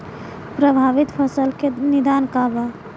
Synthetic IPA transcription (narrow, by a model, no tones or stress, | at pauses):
pɾəbʱaʋit̪pʰəsəlkenid̪ankaba